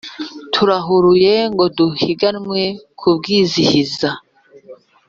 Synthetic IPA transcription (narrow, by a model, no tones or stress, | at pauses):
tʰuɾaɦuɾuje̞ŋɡo̞duhiɡanmwekʰub̚ɡiːzihiza